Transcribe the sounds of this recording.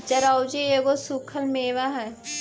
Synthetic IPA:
t͡ʃɐɾaːwd͡ʒejeɡosukʰəlmeːʋaɦɛ̃

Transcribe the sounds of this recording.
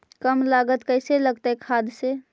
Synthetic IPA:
kəmlaɡət̪kəɪseləɡt̪aɦekʰad̪se

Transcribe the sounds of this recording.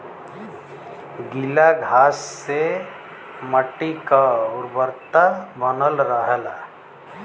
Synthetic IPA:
ɡilaɡʱaːsːe | məʈikaʊɾbəɾt̪abənəlɾəɦəla

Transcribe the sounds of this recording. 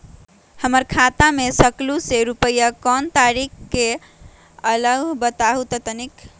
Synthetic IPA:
həməɾkʰat̪amesəkluseɾupəjakɔnt̪aɾikːe | ələɡʱbət̪aɦut̪ət̪ənik

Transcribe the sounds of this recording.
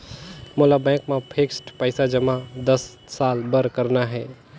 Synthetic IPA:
molabɛ̃kmepʰeksʈpəɪsad͡ʒəmad̪əsː | albəɾkəɾnaɦɛ

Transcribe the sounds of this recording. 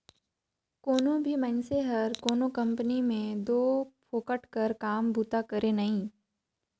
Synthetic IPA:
koːnõbʱimɐ̃nseɦɐɾkoːnõkɐ̃mpənimẽd̪oːpʰoːkəʈkɐɾkaːmbʱuːt̪akɐɾʔẽnɐɦĩː

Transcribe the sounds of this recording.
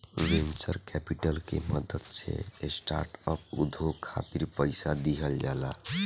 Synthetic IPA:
ʋent͡ʃəɾkɛpiʈəlkeməd̪əd̪sḛsʈa̰ɾʈəp̚ud̪ʱokʰːa̰t̪iɾpəɪsad̪iɦʰəld͡ʒala

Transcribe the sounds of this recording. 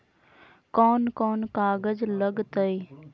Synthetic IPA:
kɔːnkɔːnkaːɡəd͡ʒləɡt̪əi

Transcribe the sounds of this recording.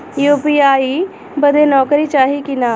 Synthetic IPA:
juːpiːaːiː | bəd̪enɔːkɾiːt͡ʃaːɦikɪnaː

